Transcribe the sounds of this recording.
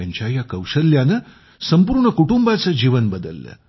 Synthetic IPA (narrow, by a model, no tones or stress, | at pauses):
ɐɲt͡ɕajakɐwʂəljanɐ | sɐmpuːɾɳɐkuʈumbat͡səd͡ʒiːʋənbəd̪əlːə̰